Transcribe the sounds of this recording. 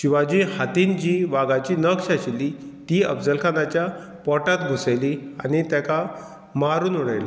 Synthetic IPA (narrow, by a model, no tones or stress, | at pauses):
ɕiʋad͡ʑiːhat̪ind͡ʑiːʋaɡat͡ɕiːnəkʂaɕilːit̪iːə̰bd͡zəlkʰanat͡ɕja | pɔʈat̪ɡʱuseliañit̪jaka | maɾuːnuɽ̃ejla